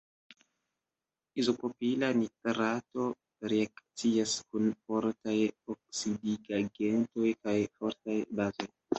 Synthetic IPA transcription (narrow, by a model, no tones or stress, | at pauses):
izo̞kopilanitɾato̞ | ɾeakt͡siaskunfo̞ɾtajok̚sidiɡaɡe̞nto̞jkajfo̞ɾtajbazo̞j